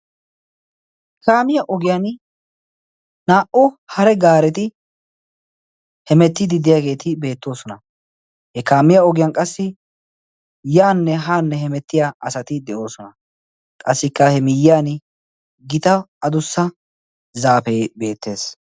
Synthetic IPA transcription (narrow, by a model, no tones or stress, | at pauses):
hkaːmɪjɐʔɔɡɪjan | naːʔɔhɐɾɛɡaːɾɛt̪ɪ | hɛmɛt̪ːɪd̪ɪd̪ɪjaːɡe̞ːt̪ɪbe̞ːt̪ːo̞ːsɔnɐ | hɛkaːmɪjɐɔɡɪjɐnkʼɐsːɪ | jaːnːɛɦaːnːɛhɛmɛt̪ːɪjaʔɐsɐt̪ɪd̪ɛʔo̞ːsɔnɐ | kʼɐsːɪkːɐhɛmɪjːɪaːn | ɡɪt̪ɐɐd̪ʊsːɐ | zaːpeːbe̞ːt̪ːe̞ːs